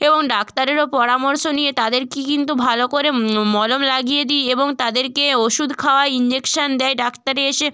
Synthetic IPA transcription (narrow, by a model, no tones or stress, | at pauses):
eboŋɖakt̪aɾeɾopɔɾamoɾʃonijet̪ad̪eɾkikint̪ubʱalokoɾemɔlomlaɡijed̪ijeboŋt̪ad̪eɾkeoʃud̪ʱkʰaoaeind͡ʑekʃand̪ɛeɖakt̪aɾeeʃe